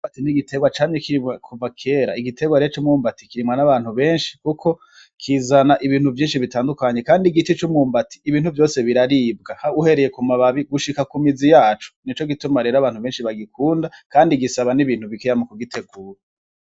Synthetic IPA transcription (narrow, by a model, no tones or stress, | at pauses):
matiniɡitʰe̞ɡwat͡ʃaːɲekiɾimwakʰuvakʰe̞ːɾa̰iɡitʰe̞ɡwaɾet͡ʃumuːmbati̥kiɾimŋanaβaːn̥huβe̞ːnʃi̥kukʰo̞ | kʰiːzanaʔiβiːn̥huvjiːnʃiβitaːndukaɲe̞kaːndiɡit͡ʃet͡ʃumuːmbati̥ːβiːnhuvjo̞ːse̞βiɾaɾibɡahauhe̞ɾe̞je̞kumaβaβiɡuʃikakumizijaːt͡ʃu̥nit͡ʃo̞ɡitumaɾe̞ːɾaβaːn̥huβe̞ːnʃiβaɡikuːndakaːndiɡisaβaniβiːn̥huβikejamukuɡitʰe̞ɡuːɾa